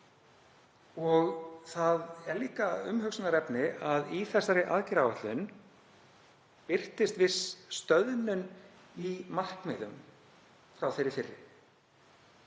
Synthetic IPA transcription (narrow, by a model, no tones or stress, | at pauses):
ɔɣθaðɛɾliːkaʏ̰mɦʏksʏnaɾɛpnɪaðiθɛsːaɾɪʔa̰ðcɪɾawɛht̪lʏn | pɪr̥t̪ɪst̪vɪsst̪œðnʏn | imar̥kmɪːðʏm | fɾawθejɾɪfɪrːɪ̰